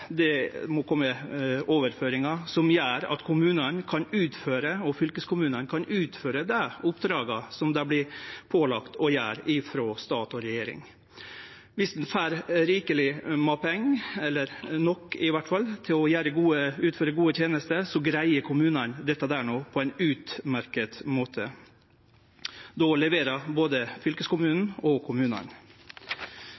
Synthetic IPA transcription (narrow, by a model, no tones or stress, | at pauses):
d̪ɛmɔkʰɔmːəoːʋəɾføːɾɪŋɑsɔmjæːɾɑ̰t̪kʰʊmʉːnɑnkʰɑnʉːt̪føːɾəɔfʏlkəskʰʊmʉːnɑnkʰɑnʉːt̪føːɾəd̪æʊpd̪ɾɑːɡɑsɔmd̪ɑblɪpʰoːlɑkt̪ʰɔjæːɾɪfɾoːst̪ɑːt̪ɔɾɛjeːɾɪ̰ŋ | ʋɪsd̪nfæːɾɾiːkəlɪmɑpʰɛŋːɛlːəɾnɔkːɪʋæʈfɑlːt̪ʰɪlɔjæːɾəɡuːəʉːt̪føːɾəɡuːət̪ʰjeːnəst̪əsɔɡɾæɪəkʰʊmʉːnɑnd̪ɛt̪ːəd̪æːɳoːpʰɔæɪnʉːt̪mæɾkət̪moːt̪ʰə | d̪ɔlɛʋeːɾɑboːd̪əfʏlkəskʊmʉːnn̩ɔkʰʊmʉːnɑ̰n